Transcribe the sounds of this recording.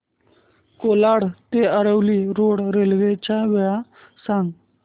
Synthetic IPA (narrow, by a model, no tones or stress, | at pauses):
koːlaɽt̪eəɾəwliːɾoːɽɾelɡet͡ʃaʋeja | sãŋɡ